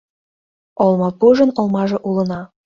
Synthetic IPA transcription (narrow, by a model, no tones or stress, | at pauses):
olˠmɑpuʒɤ̆nolˠmɑʒĕʔulɤ̆nɑ